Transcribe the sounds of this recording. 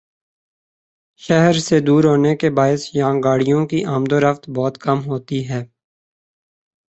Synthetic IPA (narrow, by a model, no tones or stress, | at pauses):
ʃɛɦəɾsed̪uːɾɦoːnekebaːɪsjããɡaːɽijõkiʔaːmd̪oːɾəft̪bɔːt̪kəmɦoːt̪iɦɛː